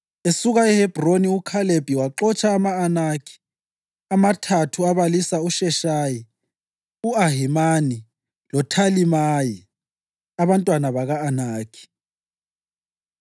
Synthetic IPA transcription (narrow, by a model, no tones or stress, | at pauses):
esuɣaɛhɛbʱroniukʰaleb̥ʱiwaǃɔt͡ʃʰʼaːmaːnakʰi̥ | amatʰatʰuaβalisauʃɛʃaji | uaɦimani | lɔtʰalimaji | aβantʼwanaβaɣaːnaːkʰi̥